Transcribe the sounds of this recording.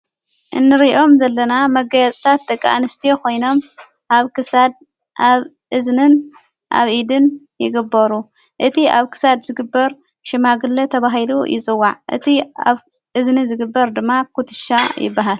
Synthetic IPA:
ʔɨnːɨɾiʔo̞mzɐlːɐnamɐɡɐjɐt͡sʼt̪ʰat̪̚ːɐkʼːa̰nɨst̪ʰijokʰo̞jno̞m | ʔaβkɨsad̪̚ | ʔaβ | ʔɨznɨn | ʔa̰βʔid̪ɨn | jɪ̰ɡɨbːɐɾu | ʔɨt̪ʰia̰βkʰɨ̥sad̪zɨɡɨbːɐɾ | ʃɪmaɡɨlɐt̪ʰɐβaɦilṵjɪ̰t͡sʼɨwːaʕʔɨ̰t̪ʰia̰β | ʔɨznizɨɡɨbːɐɾd̪ɨmːakʰut̪ʰɨ̥ʃajɪ̰bːaɦal

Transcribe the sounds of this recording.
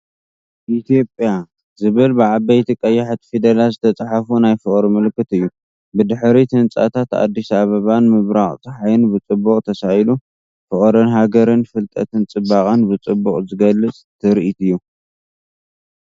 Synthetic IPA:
ʔit̪ʰijo̞pʼja | zɨβɨlbɨʕabɐjt̪ʰikʼɐjːaħat̪fid̪ɐlazɨt̪ʰɐt͡sʼaħafunajfɨχʼɾimɨlkːɨt̪ɨjːu | bɨd̪ɨħɾit̪ʰɨnt͡sʼa̰t̪ʰat̪a̰d̪ːisaβɐβanmɨβɾaχʼt̪ʰɨħajɨnbɨt͡sʼɨbːuqʼt̪ʰɐsajlu | fɨχʼɾɨnɦaɡɐɾɨnfɨlt̪ʼɐ̰t̪ʰɨnt͡sʼɨbaχʼɨnbɨt͡sʼɨbːuχʼzɨɡɐlːɨt͡sʼt̪ʰɨɾʔit̪ɨjːu

